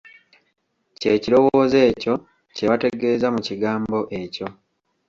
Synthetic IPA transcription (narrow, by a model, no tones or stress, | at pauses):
ce̞ːciɾo̞woze̞ːco̞ | ce̞βate̞ɡe̞ːzamuciɡaːmbo̞ʔe̞co̞